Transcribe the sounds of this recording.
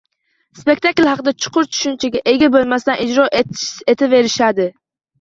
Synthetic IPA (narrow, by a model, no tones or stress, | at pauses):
spe̞k̚ʲt̪ʰaklhɑqɨd̪at͡ʃʰʊ̥qʰʊɾt͡ʃʰʊ̥ʃʊnt͡ʃʰaɡʲaʔe̞ɡʲabolˠmast̪anʔɪd͡ʒɾɒʔet̪ʰɪve̞ɾɪʃad̪ɪ